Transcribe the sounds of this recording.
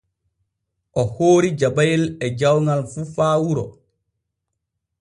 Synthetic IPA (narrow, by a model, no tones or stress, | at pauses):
ʔɔhoːɾid͡ʒabajilɛd͡ʒawŋalfufaːwuɾɔ